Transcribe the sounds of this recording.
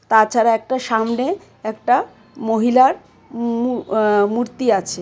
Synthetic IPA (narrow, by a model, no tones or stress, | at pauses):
t̪at͡ɕʰaɾaɛk̚ʈaʃamne | ɛkʈa | moɦilaɾ | umuɾt̪iat͡ɕʰe